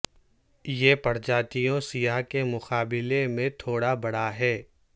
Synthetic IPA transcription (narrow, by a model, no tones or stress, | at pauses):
jeːpɐɾd͡ʒaːt̪ijõsijaɦkemʊqaːbɪlemẽt̪ʰoːɽabɐɽaɦɛː